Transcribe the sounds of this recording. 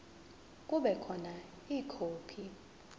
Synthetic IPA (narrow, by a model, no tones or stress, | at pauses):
k̬ʼuɓɛkʰɔna | iːkʰoːpʰi